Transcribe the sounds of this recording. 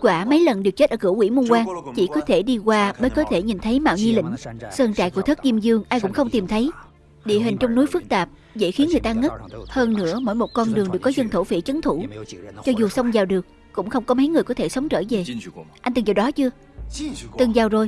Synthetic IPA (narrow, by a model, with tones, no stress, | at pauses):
kwaː˧˩mə˨˦jlə˨˩nɗɨ˨˩ək̚t͡ɕe˦˥t̚ʔəː˧˩kɨ̰˧˩əwkwḭ˧˩mu˧kwaː˧ŋt͡ɕi˧˩kɔ˨˦t̪ʰe˧˩ɗi˧kwaː˧ɓəː˨˦jkɔ˨˦t̪ʰe˧˩ɲi˨˩nt̪ʰə˨˦jma̰ː˧˨wɲi˧lḭ˧˥ŋ̟səː˧nt͡ɕa̰˧˨jku˧˩ət̪̚ʰzi˧mzɨ˧əŋʔaː˧jkʊ̰˧˥ŋ͡mxə˧wŋ͡mt̪i˨˩mt̪ʰə˨˦j | ɗḭ˧˨əɦï˨˩ŋ̟t͡ɕɔ˧wŋ͡mnu˨˦jfɨ˦˥k̚t̪aː˨˩p̚ | zḛ˧˥xi˨˦ənŋɨ˨˩əjt̪aː˧ŋə˦˥t̚həː˧nnɨ̰˧˥əmo̰˧˥˨jmo˨˩t̚kɔ˧nɗɨ˨˩ŋɗɨ˨˩əkːɔ˨˦zə˧nt̪ʰo˧˩fḭ˧˥t͡ɕə˨˦nt̪ʰu˧˩t͡ɕɔ˧zu˨˩sə˧wŋ͡mzaː˨˩wɗɨ˨˩ək̚ːʊ̰˧˥ŋ͡mxə˧wŋ͡mkɔ˨˦mə˨˦jŋɨ˨˩əjkɔ˨˦t̪ʰe˧˩sə˨˦wŋ͡mt͡ɕəː˧˩ve˨˩ʔnt̪ɨ˨˩ŋzi˨˩ɗɔ˨˦t͡ɕɨ˧ə | t̪ɨ˨˩ŋzaː˨˩wzo˨˩j